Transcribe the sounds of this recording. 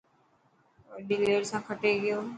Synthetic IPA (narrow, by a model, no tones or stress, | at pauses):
ɾɗɪleːɽsãːkʰəʈeɡɪjoː